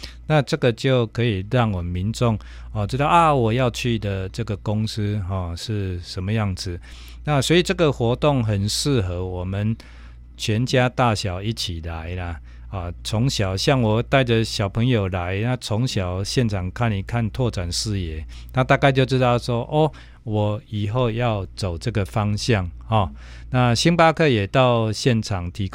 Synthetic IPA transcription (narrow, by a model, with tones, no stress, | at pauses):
na˥˧ʈ͡ʂə˥˨ɡə˨t͡ɕjo˥˩ʊkʰə˧˦˥i˨˩ɻɑ˥˩ŋwɔ˨˩mi˨˦nʈ͡ʂɔ˥˨ŋ | ɔ˨ʈ͡ʂɻ̩˥t̪ɑ˥˩ʊʔa˨˩wɔ˨˩jɑ˥˧ʊt͡ɕʰy˥˩d̪ə˨ʈ͡ʂə˥˧ɡə˨ko˦ŋs̩˦ɦɔ˥˨ʂɻ̩˥˩ʂə˨˦nmə˨ja˥˩ŋd͡zɹ̩˨ | na˥˧swɔ˧˥i˨˩ʈ͡ʂə˥˩ɡə˨xwɔ˧˥t̪ɔ˥˩ŋɦə˨˩nʂɻ̩˥˧ɦə˧˦wɔ˨˩mə˨n | t͡ɕʰɥɛ˧˦nt͡ɕja˦t̪a˥˨ɕja˨˩ʊi˦˥t͡ɕʰi˨˩la˨˦ɪla˧ | ɔ˨t͡sʰɔ˨˧˥ŋɕjɑ˨˩ʊɕja˥˩ŋwɔ˨˩t̪a˥˩ɪd͡zə˨ɕjɑ˨˩ʊpʰə˧˦ŋjo˨˩ʊla˨˦ɪna˥˨t͡sʰɔ˨˦ŋɕjɑ˨˩ʊɕjɛ˥˨nt͡sʰɑ˨˩ŋkʰa˥˩ni˨˩kʰa˥˨nt̪ʰwɔ˥˧ʈ͡ʂa˨˩nʂɻ̩˥˩jɛ˨˦ | na˥˧t̪a˥˧ka˥˧ɪt͡ɕo˥˧ʈ͡ʂɻ̩˦˥t̪ɑ˥˩ʊʂwɔ˦˥ʔɔ˥˦ | wɔ˨˩i˨˩ɦo˥˧ʊjɑ˥˩ʊt͡so˨˩ʊt͡sə˥˧ɡə˨fɑ˦ŋɕja˥˨ŋhɔ˨˩ | na˥˧ɕi˦ŋpa˦kʰɤ˥˧jɛ˨˩t̪ɑ˥˧ʊɕjɛ˥˩nʈ͡ʂʰɑ˨˩ŋt̪ʰi˨˦˥